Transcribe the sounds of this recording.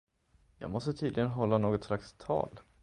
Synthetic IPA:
jɑ̰ːɡmɔst̪ət̪ʰiːd̪lɪɡənɦɔlːanoːɡɔt̪slakst̪ʰɑ̰ːl

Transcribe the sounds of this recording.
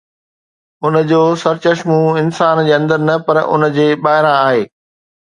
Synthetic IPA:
ʊnə̆d͡ʑoːsɐɾt͡ɕɐʃmuɪnsaːnd͡ʑeːɐ̃nd̪əɾnɐpɐɾʊ̰n̆d͡ʑeːɓaːɦɪɾãaːɦeː

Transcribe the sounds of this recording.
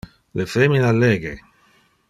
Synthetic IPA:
lefeminalːeːɡe

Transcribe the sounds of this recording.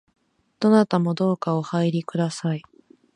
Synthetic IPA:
d̪̥o̞nat̪amo̞d̪o̞ːkaohaiɾʲikɯ̟d̪asai

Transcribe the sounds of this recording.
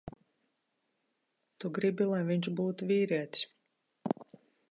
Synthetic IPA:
t̪uɡɾibʲilˠajviɲʃbuːt̪uvʲiːɾiɛt̪ʲsʲ

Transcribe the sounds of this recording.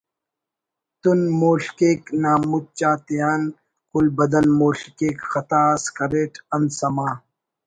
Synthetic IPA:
t̪unmoːɬkeːknaːmːut̪̚t͡ʃaːt̪ijaːn | kʊlbɐd̪ɐnmoːɬkeːkxɐt̪aːskɐɾeːʈʰɐnsɐmaː

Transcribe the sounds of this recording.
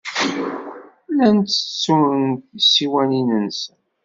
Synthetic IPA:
lænt͡s̪ːə̥t͡sːuənnt̪siwæninənsən

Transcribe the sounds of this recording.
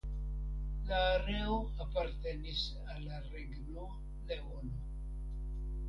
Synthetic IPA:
laːɾeoapaɾt̪enis | alaɾeɡno | leono

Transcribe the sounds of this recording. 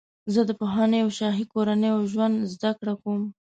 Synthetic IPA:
zəd̪əpoɦɑnəjawʃɑɦikoɾanəjoʒwand̪zd̪akɽakom

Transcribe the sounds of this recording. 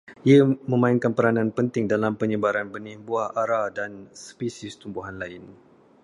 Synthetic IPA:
ʔiəmə̃mãiŋkanpəɾanãnpənt̪ɪŋdalampəɲəbaɾanbənihbuahaɾadanspisist̪umbuɦanlaɪn

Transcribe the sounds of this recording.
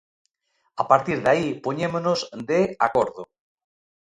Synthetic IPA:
apaɾt̪iɾðaipoɲemonozd̪eakoɾðo

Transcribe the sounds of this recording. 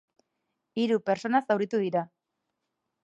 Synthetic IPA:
iɾupe̞ɾt͡so̞nasawɾit̪uðiɾa

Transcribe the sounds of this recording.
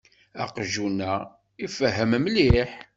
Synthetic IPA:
æ̰qʒunæ | ifəɦːəmmliħ

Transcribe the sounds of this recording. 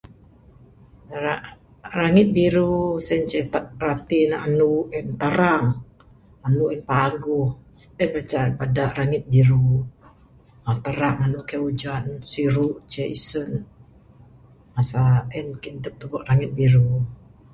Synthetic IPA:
ɾa | raŋɪt̪̚biɾusɛnt͡ʃɛt̪arat̪inaanuɛnt̪əɾaŋ | anuʔɛnpaɡʊhsɛnbat͡ʃanpadaʔɾaŋɪt̪̚biɾu | at̪əɾaŋanukɛud͡ʒansiɾuʔt͡ʃɛʔisən | masaɛnkind̪əp̚t̪ubɔʔɾaŋɪt̪̚biɾu

